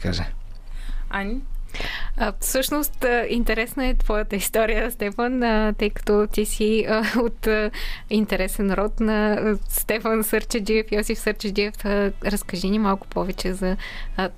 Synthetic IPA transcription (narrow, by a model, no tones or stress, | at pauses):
ka̰ʒə | anʲi | fsɤʃnost̪əint̪ɛɾɛsnəɛt̪vɔjət̪əist̪ɔɾijəst̪ɛfənt̪ɤjkɐ̥t̪ɔt̪ʲisiot̪əint̪ɛɾɛsɛnɾɔt̪nɐst̪ɛfənsɤɾt͡ʃəd̪iɛfjɔsifsəɾt͡ʃəd̪iɛfɾɐskɐʒinimalˠkʊ̥pɔvɛt͡ʃɛzɐ